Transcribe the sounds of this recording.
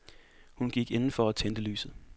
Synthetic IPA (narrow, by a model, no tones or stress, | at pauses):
hunɡ̥iɡ̥e̝nn̩fɒ̽æt͡sʰend̥əly̰ːsð̩ˠ